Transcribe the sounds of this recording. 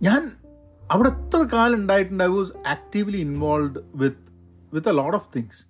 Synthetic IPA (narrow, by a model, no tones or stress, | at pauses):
ɲãːn | ɐʋɪɽet̪ːɾɐkaːlʊɳɖaːjɪʈːɐ̃ɳɖaɪʋɔːzæːk̚ʈiʋliɪnʋɔːlʋɖʋɪd̪̚ | ʋɪd̪elɔːʈɔʋt̪ʰɪ̃ŋɡs